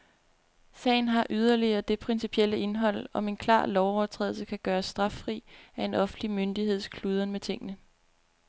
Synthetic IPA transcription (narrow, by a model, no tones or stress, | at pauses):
sɛ̰ɪn̩ɦɑ̈ʔyð̞ˠɐliɐːd̥e̝pʰʁinsipʰiel̰əʔe̝nɦɒ̽l̰ɒ̽me̝nkʰlɑ̰̈ːlɒʊɒʊt͡sʰʁɛ̰ːðˠl̩səkʰæɡ̥ɶːɐsːd̥ʁɑ̈fʁḭːæe̝nɒ̽fn̩d̥limønd̥ihe̝ð̞̰ˠskʰluːð̞ˠɐnmet͡sʰe̝ŋ̰ənə